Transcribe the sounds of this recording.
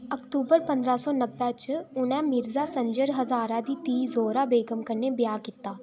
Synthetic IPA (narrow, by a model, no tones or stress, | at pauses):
ɐkʈ̪uːbəɾpɐ̃nd̪ɾasɔːnəbːɛt͡ʃʊnɛ̃mɪɾzasɐ̃ɲd͡ʒəɾɦɐzaːɾãd̪it̪iːzoːɾabeːɡəmkəɾnebjaːkɪt̪ːaː